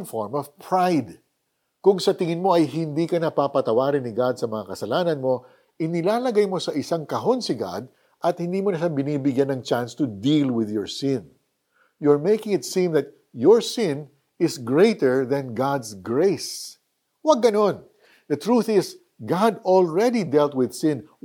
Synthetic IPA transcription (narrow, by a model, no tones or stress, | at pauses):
nfoɹmɔv̥pʰɹajd̪ | kʊŋsɐt̪ɪŋɪnmo̞ʔɐjɦɪnd̪iːkɐnɐpapɐt̪ɐwaːɾɪnɪɡad̪̚sɐmɐŋakɐsɐlaːnɐnmo̞ | ʔɪnɪlaːlɐɡajmo̞sɐʔɪsaŋkɐɦo̞nsɪɡa̰d̪̚ | ʔɐt̪̚hɪnd̪iːmonɐʃabɪniːbɪɡjanːɐŋt͡ʃanst̪ʊd̪ilwɪðjɔɹsɪ̃n | jɔɹmejkɪ̃ŋɪt̪sĩmðɐt̪̚ | jɔɹsɪ̃n | ɪsɡɹejt̪əɹðɐ̃nɡad̪sɡɹejs | wɐɡ̚ːɐno̞n | d̪ɐt̪ɹuːθɪs | ɡad̪olˠɹɛd̪id̪ɛlt̪̚wɪðsɪ̃n